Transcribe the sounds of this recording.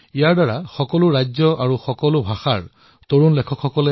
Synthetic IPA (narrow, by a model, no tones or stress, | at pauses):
ijaɹdaɹaxɔkɔlʊɹajd͡ʑɔʔaɹuxɔkɔlʊbʱaxaɹ | toɹunlɛkʰɔkʰxɔkɔlɛ